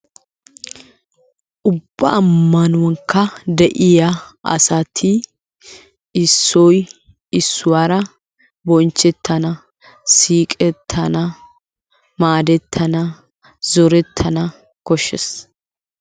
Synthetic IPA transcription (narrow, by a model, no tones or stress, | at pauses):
ʔʊbːɐʔːmːɐnʊwɐŋkːɐd̪ɛʔɪjaʔɐ̰sɐt̪ʰi | ɪsːɔj | ɪsːʊwaːɾɐ | bɔnt͡ʃːɛt̪ʰːɐnɐ | siːkʼɛt̪ʰːɐnɐ | maːd̪ɛt̪ʰːɐnɐ | zɔɾɛt̪ʰːɐnɐ | kɔʃːɛs